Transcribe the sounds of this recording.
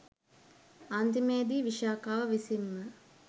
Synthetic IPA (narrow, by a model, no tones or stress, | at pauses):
ant̪imeːd̪iːʋiʃaːkaːʋəʋisimːə